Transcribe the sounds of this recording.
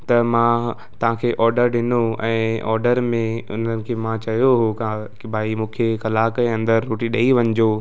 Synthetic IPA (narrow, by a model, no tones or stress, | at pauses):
t̪ɐmã | t̪ɐʋ̤ãkʰeːʔɔːɾɖəɾɗɪnoɛ̃ːɔːɾɖəɾmẽʊ̰n̤ənɪ̆kʰeːmãt͡ɕɐɦjoɦoka | bʱaːimũːkʰekɐlaːkɛ̃ːɐ̃nd̪əɾːoːʈiɗɐiʋɐ̃ɲd͡ʑoː